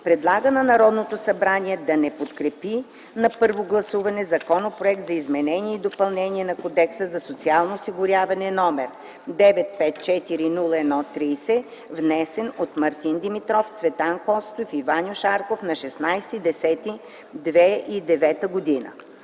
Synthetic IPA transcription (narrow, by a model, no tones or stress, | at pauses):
pɾɛd̪lˠaɡənɐnɐɾɔd̪not̪osɐbɾaniɛd̪ɐnɛpot̪kɾɛpi | nɐpɤɾvoɡlˠɐsuvɐnɛzɐkɔnopɾoɛkt̪zɐizmɛnɛniɛid̪opɐlˠnɛnʲiɛnɐkod̪ɛksəzɐsot̪sialˠnoːsiɡʊɾʲjavɐnɛnɔmɛɾ | d̪ɛvɛt̪̚pɛt̪̚t͡ʃɛt̪iɾinulˠəɛnɔt̪ɾisɛ | vnɛsɛnot̪mɐɾt̪ind̪imit̪ɾɔft̪svɛt̪ankɔst̪ofivanʲjʊʃaɾkofnɐʃɛsnajsɛt̪id̪ɛsɛt̪i | d̪vɛid̪ɛvɛt̪əɡod̪inə̰